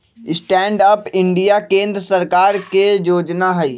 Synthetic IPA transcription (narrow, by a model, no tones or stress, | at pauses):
ɪsʈɛ̃ːɳɖəpɪ̃ɳɖijakẽːnd̪ɾəsəɾkaːɾkejoːd͡ʒnaɦɐiː